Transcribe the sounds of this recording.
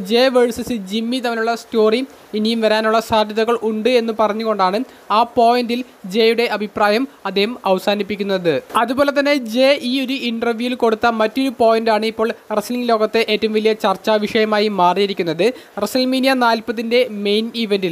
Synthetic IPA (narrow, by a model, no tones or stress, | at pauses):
d͡ʑe̞ːʋeɻsɐsɨd͡ʑimːit̪ɐmɐluɭːɐsto̞ːri | inijumʋɐɾaːnuɭːɐsaːd̪ʱjɐðuɣɐɭuɳɖɨe̞nːupɐrɐɲːuɣo̞ɳɖaːɳɨ | aːpo̞ːjɐndil | d͡ʑe̞ːjuɽe̞ʔɐbʱipraːjɐmɐd̪ːeːhɐmɐʋɐsaːnipːikʲːunːɐðɨɐðubo̞ːle̞t̪̬ːɐnːe̞d͡ʑe̞ːʔiːo̞ɾuʔiɳɖɐrʋjujilko̞ɽut̪ːɐmɐtːo̞ɾupo̞ːjɐndaːɳɨipːo̞ːɭresliŋlo̞ːɣɐt̪ːe̞ʔeːtːɐmʋilijɐt͡ɕɐrt͡ɕːaʋiʂɐjɐmaːjimaːrijɐɾikʲːunːɐðɨresɐlmiːnijɐnaːlpɐðinde̞mejniʋendil